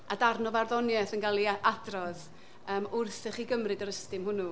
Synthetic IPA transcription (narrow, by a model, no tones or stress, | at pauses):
adarnɔvarðɔnjɛθənɡalˠiʔadrɔð | əːmʊrθɛχiːɡəmrɨdəɾəstɪmhʊnu